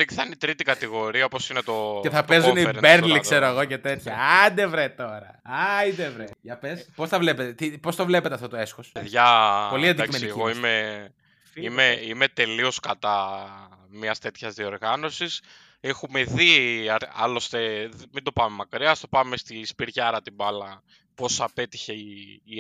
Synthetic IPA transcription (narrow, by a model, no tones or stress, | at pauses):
liθɐnit̪ɾit̪ikɐt̪iɣo̞ɾiɐopo̞sinet̪o̞eθɐpezuniɾbeɾliksseɾoɐɣo̞cet̪e̞t̪çɐɐid̪evɾet̪o̞ɾɐɐid̪evɾeʝɐpespo̞sθɐvle̞pet̪et̪ipo̞st̪ovle̞pe̞t̪eɐft̪ot̪oesxosðʝɐpo̞liɐnd̪iakismenieiɣoime | imeime̞t̪e̞lio̞skɐt̪ɐ | mɲɐst̪e̞t̪çɐzðio̞ɾɣɐno̞sis | exume̞ðiɐɾɐ̰lo̞st̪e̞mind̪o̞pɐme̞mɐkɾiɐst̪opɐmest̪ispiɾʝɐɾɐt̪ibɐlɐ | po̞sɐpe̞t̪i̥çe̞iː